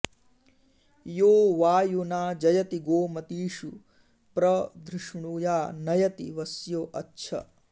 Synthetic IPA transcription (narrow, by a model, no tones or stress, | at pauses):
joːʋaːjunaːd͡ʒɐjɐt̪iɡoːmɐt̪iːʂu | pɾɐd̪ʱɾuʂɳuːjaːnɐjɐt̪ḭʋɐsjoːʔɐtːʃʰɐ̰